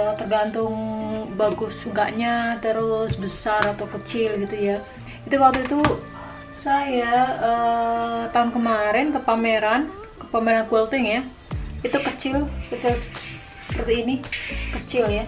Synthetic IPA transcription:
t̪ərɡant̪ʊŋbaɡʊsŋkaʔɲat̪əɾʊsbəsaɾat̪awkət͡ʃɪlɡit̪uja | it̪uwak̚t̪uit̪u | sajaə | t̪aɦʊnkəmaɾɪnkəpameɾan | kəpameɾankuɛlt̪ɪŋja | it̪ukət͡ʃɪlkət͡ʃɪlssə̥pərt̪iːnikət͡ʃɪlja

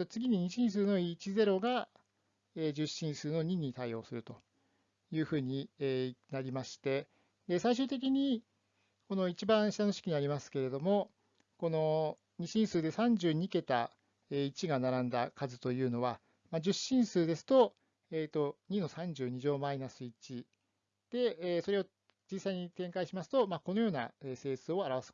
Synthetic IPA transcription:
ot͡sɨɡʲiɲ̟iɲ̟iɕĩɰ̃s̬ɨːno̞it͡ɕize̞ɾo̞ɡa | eːd͡ʑɨɕːĩɰ̃sɨːno̞ɲ̟iɲ̟it̪aio̞̰ːsɨɾɯ̟t̪o̞ | jɯ̟ːɸɯ̟ːɲ̟ienaɾʲimaɕi̥t̪e̞ | d̪e̞saiɕ̬ɨːt̪e̞k̬ʲiɲ̟i | ko̞no̞it͡ɕibãɰ̃ɕi̥t̪ano̞ɕi̥kʲiɲ̟iaɾʲimasɨ̥ke̞ɾe̞d̪o̞mo̞ | ko̞no̞ | ɲ̟iɕĩɰ̃sɨːd̪e̞sãɲ̟d͡ʑɨːɲ̟ike̞t̪a | eːit͡ɕiɡanaɾãnd̪akazɨt̪o̞jɯ̟ːno̞βa | mad͡ʑɨɕːĩɰ̃sɨːd̪e̞sɨ̥t̪o̞ | eːt̪o̞ɲ̟ino̞sãɲ̟d͡ʑɨːɲ̟iʑo̞ːmainasɨit͡ɕi | d̪̥e̞ːso̞ɾe̞o̞ | d͡ʑisːaiɲ̟it̪ẽ̞ŋkaiɕimasɨ̥t̪o̞mako̞no̞jo̞ːna̰eːse̞ːsɨo̞aɾaβasɨ̥

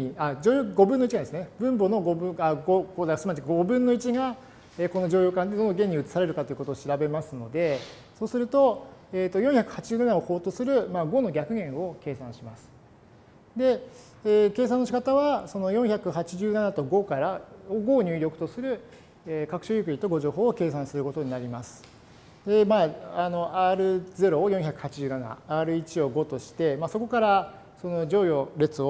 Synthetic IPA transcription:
iad͡ʑoːjoɡo̞bɯ̃nːoit͡ɕiɡad̪esɨnebɯ̟̃mbo̞no̞ɡo̞bɯ̟̃aɡoɡoːd̪asmad͡ʑiɡo̞bɯ̟̃nːo̞it͡ɕiɡa | eːko̞nːod͡ʑo̞ːjoːkãed̪o̞nːoɡẽ̞ɲ̟ːiɯ̟t͡sɨ̥saɾe̞ɾɯ̟kat̪o̞jɯ̟ko̞t̪oːɕiɾabe̞masɨno̞d̪e̞ | so̞ːsɨɾɯ̟t̪o̞eːt̪ːo̞jõ̞ɰ̃çakɯ̟̥hat͡ɕiʑɨːnanaoho̞ːt̪osɨɾɯ̟maɡo̞no̞ɡʲakɯ̟ɡẽ̞ɰ̃o̞ke̞ːsãɰ̃ɕimasɨ̥ | d̪e̞ː | ke̞ːs̬ãnːo̞ɕi̥kat̪aβaso̞no̞jõ̞ɰ̃çakɯ̟ɦat͡ɕiʑɨːnanat̪o̞ɡo̞kaɾaoɡo̞ːɲ̟ɨːɾʲokɯ̥t̪o̞sɨɾɯ̟ | eːkakɯ̟̥ɕoːjɯk̬ɯ̟ɲit̪o̞ɡo̞ʑo̞ːɦo̞ːke̞ːsãɰ̃sɨɾɯ̟ko̞t̪o̞ɲ̟inaɾʲimasɨ̥ | d̪e̞maano̞ʔaːɾɯ̟ze̞ɾo̞jõçakɯ̟̥hat͡ɕiʑɨːnana̰aːɾɯ̟it͡ɕio̞ɡo̞t̪o̞ɕi̥t̪e̞maːso̞ko̞kaɾa | so̞no̞d͡ʑo̞ːjo̞ɾe̞t͡sɨo

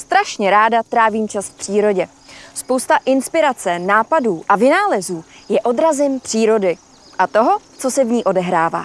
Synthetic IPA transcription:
st̪ɾaʃɲɛɾaːdat̪ɾaːviːmt͡ʃasfpr̝̥iːɾo̞ɟɛ | spowst̪aʔɪnspɪɾat͡sɛnaːpaduːʔavɪnaːlɛzuːjɛʔo̞d̪ɾazɪmpr̥iːɾo̞dɪ | ʔat̪o̞ɦo̞ | t͡so̞sɛvɲiːʔo̞dɛɦɾaːva̰ː

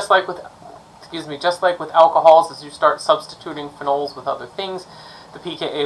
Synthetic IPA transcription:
ʌstˡlaɪkwəð | kjʉzmid͡ʒʌstˡlaɪkwɨðælˠkəɦɔlˠzɨzjɨstɑɹtsʌb̥stɨtʰʉɾɪ̃ŋfənoʊlˠzwəðʌðə˞θɪ̃ŋz̥ | ðɨpʰikʰeʔeɪ

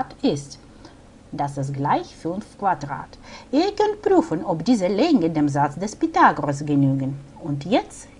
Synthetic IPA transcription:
tɪst | d̥asɛs̬ɡlaɪçfyːnkvadʁa̰ːtʔiːɐkœntpʁyːfənɔpdiːzəlɛŋɡədeːmzat͡sd̥ɛspitaːɡʁos̬ɡənyːɡən | ʊntjɛt͡s

